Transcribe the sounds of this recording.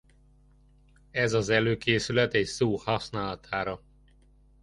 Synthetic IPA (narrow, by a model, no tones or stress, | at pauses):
ɛzɒzɛløːkeːsylɛt̪ɛcsoːhɒsnaːlɒt̪ʰaːɾɒ